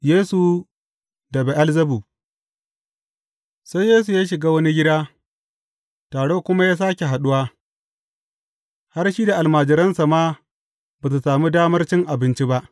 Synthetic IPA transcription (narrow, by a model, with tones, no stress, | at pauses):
jeː˦su˨ | dɐ˨be˨ʔa˦lzɐ˦buː˨ | sa˦jːeː˦s̬u˨jaː˦ʃ̬ɪ˨ɡaː˦wɐ˦ni˦ɡʲɪ˦daː˦ | taː˨ɽo˦kʷʊ˦ma˦jaː˦s̬aː˦kʲe˨ɦa˨ɗʊ˦waː˦ | ha˦rʃiː˦da˨ʔa˨lmaː˨d͡ʒɪ˨ɾɐ˦nsa˨maː˦ | baː˨s̬u˨saː˨mi˦daː˦mɐ˦rt͡ʃɪ˦ŋʔa˨bɪ˦nt͡ʃi˦ba˦ʔ